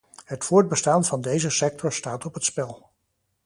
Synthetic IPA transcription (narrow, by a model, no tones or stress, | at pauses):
ɦətfʊːɹd̚bəstaːnvɑndejzəsɛk̚tɔɹstaːtɔpɦətspɛlˠ